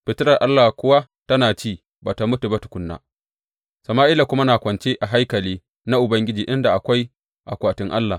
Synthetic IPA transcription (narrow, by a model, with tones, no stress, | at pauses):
ɸɪ˨tɪ˦ɾɐ˨rʔa˦lːa˨kʷʊ˦wa˦ | tɐ˦naː˨t͡ʃiː˦˨ | baː˨ta˨mʊ˦tu˨bɐ˦tu̥˨kʷʊ˦nːa̰ː˨ | sɐ˨maː˦ʔɪ˦la˨kʷʊ˦ma˦naː˨kʷɐ˨nt͡ʃe˦ʔa˨ɦa˦jkɐ˨liː˦ | na˦ʔʊ˨bɐ˦ŋɡʲɪ˦d͡ʒiː˨ʔɪ˦nda˨ʔa˨kʷa˦j | ʔa̰˨kʷaː˨tɪ˦ŋʔa̰˦lːa˨